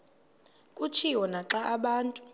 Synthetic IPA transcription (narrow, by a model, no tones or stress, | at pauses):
kʼut͡ʃʰiwɔnaǁaʔaɓaːntʼu